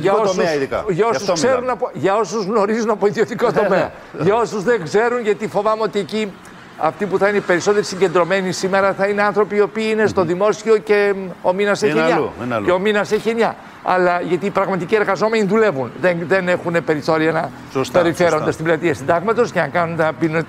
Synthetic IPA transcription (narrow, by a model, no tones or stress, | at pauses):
ʝɐosiðikɐʝɐo̞suskseɾunɐpoʝɐo̞suzɣno̞ɾizunɐpo̞iðiot̪iko̞t̪o̞meɐ̰ | ʝɐo̞suzðeŋɡze̞ɾunʝɐt̪ifo̞vɐmeo̞t̪ie̞ci | ɐ̰ft̪ipuθɐineipe̞ɾiso̞t̪eɾisiɲɟe̞nd̪ɾo̞me̞nisime̞ɾɐθɐineɐnθɾo̞piːo̞piːinest̪o̞ðimo̞sio̞ce̞ominɐseçeɲɐeo̞minɐse̞çienɲɐ | ɐ̰lɐʝɐt̪iːpɾɐɣmɐt̪icie̞ɾɣɐzo̞me̞niðule̞vunðeðene̞xunepe̞ɾiθo̞ɾiɐnɐ | speɾife̞ɾo̞nd̪ɐst̪iblɐt̪iɐsind̪ɐɣmɐt̪o̞sceɐŋkɐnunt̪ɐbino